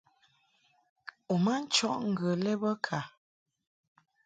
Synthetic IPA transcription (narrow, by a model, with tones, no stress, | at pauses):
u˨ma˦n̩˦t͡ʃɔ˦˨ʔŋ̩˨ɡə˨lɛ˦bə˦kʰa˨